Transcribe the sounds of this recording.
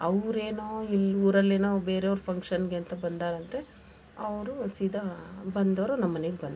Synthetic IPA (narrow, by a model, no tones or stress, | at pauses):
ɐʋɾeːnoːiluːɾɐlːeːnoːbe̞ːɾeʋɾupʰɐŋkʂɐnɡent̪ɐbɐnd̪aːɾɐnt̪e̞ | ɐʋɾusid̪ʱɐbɐnd̪ɐʋɾunɐmːɐneɡebɐnd̪